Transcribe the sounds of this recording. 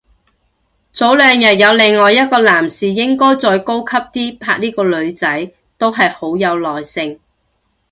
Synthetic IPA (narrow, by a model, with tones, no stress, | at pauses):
t͡so˨˥wlœː˨˧ŋjɐ˨t̚jɐ˨˧wlɪ˨˩ŋːɔː˨jɐ˥t̚kɔː˧laː˨˩msiː˨jɪ˥ŋkɔː˥jt͡ʃɔː˧jko˥wkʰɐ˥p̚t̪iː˥pʰaː˧k̚niː˥kɔː˧lɵ˨˧ɥt͡sɐ˨˥j | t̪o˥wɦɐ˨jho˨˥wjɐ˨˧wlɔː˨˩jsɪ˨ŋ